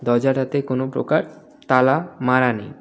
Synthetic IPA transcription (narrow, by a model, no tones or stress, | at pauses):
d̪ɔd͡ʑaɾat̪ekonopɾo̰kaɾ | t̪alamaɾanḛj